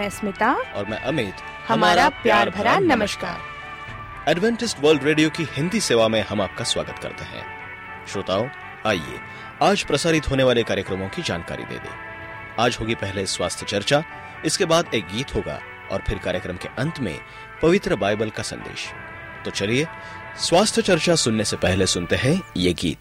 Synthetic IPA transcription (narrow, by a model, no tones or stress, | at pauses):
mɛ̃smɪt̪aɔːɾmɛ̰̃ʔɐmeːt̪ | hɐmaːɾapjaːɾbʱɐɾanɐməʃka̰ːɾ | ɛːɖʋɛ̃ːɳʈɪsʈʋəːɾlɖɾeːɖijokihɪ̃nd̪iseːʋamẽɦɐmaːp̚kaswa̰ːɡət̪kɐ̰ɾt̪eɦɛ̰̃ː | ʃɾʊt̪aːo | aːḭḛː | aːd͡ʒpɾɐsaːɾɪt̪ɦoːneʋaːlekaːɾjəkɾəmõkid͡ʒa̰ːnka̰ːɾḭd̪ḛːd̪ḛ̃ː | aːd͡ʒɦoːɡipɛɦleswaːst̪ʰjət͡ʃɐɾt͡ʃa | ɪskebaːd̪eːk̚ɡiːt̪ɦoːɡa̰ | ɔ̰ːɾpʰɪɾkaːɾjəkɾəmkeʔɐ̃nt̪mḛ̃ | pɐʋɪt̪ɾəbaːɪbəlkasɐ̰̃nd̪ḛːʃ | t̪oːt͡ʃɐlie | swaːst̪ʰjət͡ʃɐɾt͡ʃasʊnːesepɛɦlesʊnt̪eɦɛ̃jeɡḭːt̪̚